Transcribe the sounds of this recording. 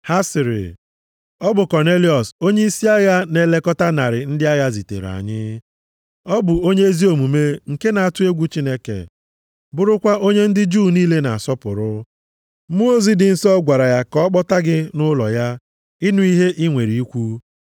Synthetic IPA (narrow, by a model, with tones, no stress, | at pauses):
ha˦sɪ˨ɾɪ̰˨ | ɔ˦bʊ˨kɔ˨ne˦li˨ɔ˨so˦ɲe˦i˦si˦a˦ja˦ne˨le˦kɔ˦ta˦na˨ɾɪ˨n̩˦dɪ˦a˦ja˦zi˨tḛ˨ɾa̰˨ɲɪ˦ | ɔ˦bʊ˨o˦ɲe˦e˦zi˦o˨mu˨me˦ŋ̩˨ke˦na˨a˨tʊ˦e˦ɡʷu˦t͡ʃi˦ne˦kḛ˨ | bʊ˦ɾʊ˦kʷa˦ʔo˦ɲe˦n̩˦dɪ˦d͡ʒu˦˨niː˦le˦na̰˨a˨sɔ˦pʊ˨ɾʊ˦ | mu˦o˦zi˦dɪ˨n̩˦sɔ˦ɡʷa˨ɾa˨ja˦kɔ˦k͡pɔ˦ta˦ɡɪ˦nʊ˦lɔ̰˨ja˦ | ɪ˦nʊ˦i˦ɦe˦ʔi˦ŋʷe˨ɾi˨i˦kʷu˦